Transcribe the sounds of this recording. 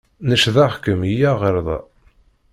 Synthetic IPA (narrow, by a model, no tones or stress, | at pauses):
nəʃðæχkəmijæʁeɾðˤɑ̰